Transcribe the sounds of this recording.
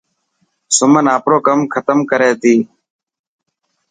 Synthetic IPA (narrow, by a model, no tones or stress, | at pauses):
sʊmənaːpɾoːkəmkʰət̪əmkəɾeːt̪iː